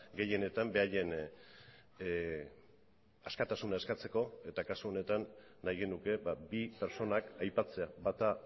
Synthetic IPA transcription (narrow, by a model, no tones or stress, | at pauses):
ɡe̞je̞ne̞t̪ambe̞aje̞n | askat̪asunae̞skat͡se̞ko̞e̞t̪akasuo̞ne̞t̪anː | ajɣe̞nuke̞babipe̞ɾt͡so̞nakajpat͡se̞aβat̪a